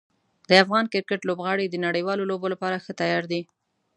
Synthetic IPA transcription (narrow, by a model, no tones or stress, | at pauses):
d̪əafɣɑnkɪɾkəʈlobɣɑɽid̪ənaɽəjwɑlolobolapɑɾaxət̪ajɑɾd̪i